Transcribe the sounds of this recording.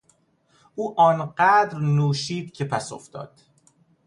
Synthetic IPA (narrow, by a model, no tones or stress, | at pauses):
ʔuːʔɒːnɢæd̪ɾnuːʃiːd̪cʰepʰæso̰ft̪ɒ̰ːd̪̥